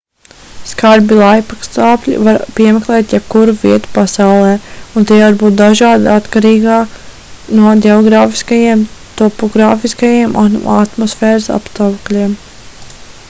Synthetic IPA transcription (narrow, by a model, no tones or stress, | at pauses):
skaɾbilˠajpakst̪aːpʲlʲḭvaɾpiɛmɛklˠɛːt̪jɛb̥̚kuɾuviɛt̪u̥pasawlˠɛːunt̪iːvaɾbuːt̪̚d̪aʒɑːd̪aat̪kaɾiːɡaː | nuɔdʲɛɔɡɾaːfi̥skajiɛmt̪ɔpɔɡɾaːfiskajiɛmʔaat̪mɔsfɛːɾasa̰pst̪ɔwklʲiɛm